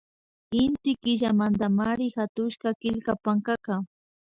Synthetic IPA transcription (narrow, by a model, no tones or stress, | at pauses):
ɪnt̪ɪkɪʒamant̪amaɾɪxat̪ʊʃkakɪʎkapaŋkaka